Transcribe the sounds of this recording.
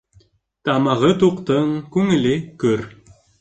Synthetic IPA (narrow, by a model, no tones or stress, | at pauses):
t̪ɑmɑʁɤt̪uqt̪ɤɴkʉŋɘ̆lɘkɵɾ